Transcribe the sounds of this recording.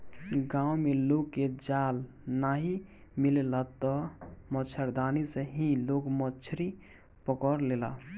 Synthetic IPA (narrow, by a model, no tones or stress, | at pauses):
ɡãwmelokːed͡ʒal | naɦi | millat̪ɔmət͡ʃʰəɾd̪aniseɦĩlokmət͡ʃʰɾi | pəkəɾlela̰